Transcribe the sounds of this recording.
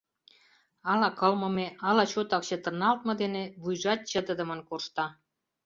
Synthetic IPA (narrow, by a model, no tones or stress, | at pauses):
ɑlɑkəlmɤ̆meɑlɑt͡ɕot̪ɑkt͡ɕĕt̪ə̆nɑlt̪̚mɤ̆d̪eneβujʒɑt̪̚t͡ɕəd̪əd̪ə̆mə̆nkorʃt̪ɑ